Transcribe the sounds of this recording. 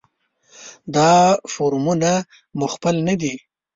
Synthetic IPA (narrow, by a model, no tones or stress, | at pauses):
d̪ɑfoɾmuna | mʊxpɪlnad̪i